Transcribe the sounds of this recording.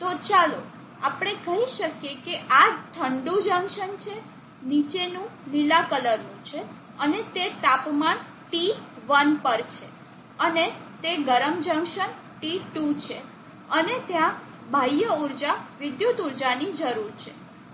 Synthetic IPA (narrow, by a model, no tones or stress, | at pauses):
t̪ot͡ʃalo | apɽ̃ekəɦiʃəkjekeʔad͡ʒt̪ʰəɳɖũd͡ʒə̃ŋʃənt͡ʃʰe | nit͡ʃenũlilakələɾnũt͡ʃʰe | ənet̪et̪apman | ʈiʋənpəɾt͡ʃʰe | ənet̪eɡəɾəmd͡ʒə̃ŋʃən | ʈiʈut͡ʃʰe | ənet̪jã | bʱajəuɾd͡ʒaʋɪd̪jut̪uɾd͡ʒanid͡ʒəɾuɾt͡ʃʰe